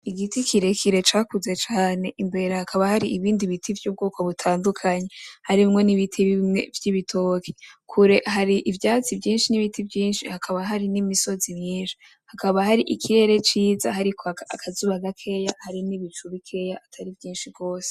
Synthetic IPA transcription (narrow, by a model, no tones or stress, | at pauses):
iɡitikʰiɾe̞kʰiɾe̞t͡ʃaːkuze̞t͡ʃaːne̞ʔimbe̞ɾahakʰaβahaɾiʔiβiːndiβitʰivjuːb̚ɡuːko̞βutʰaːndukʰaɲehaɾimŋo̞niβitʰiβimŋe̞̰vjiβitʰokʰe̥kʰuɾe̞ɦaɾiʔivjaːt͡sivjiːnʃiniβitivjiːnʃihakʰaβaɦaɾinimiso̞zimiːnʃi̥ | hakaβahaɾiʔikʰiɾe̞ɾe̞t͡ʃiːza̰haɾikʰoakʰazuβaɡakʰe̞jahaɾiniβit͡ʃuβikʰe̞jaʔatʰaɾivjiːnʃibɡo̞ːse̥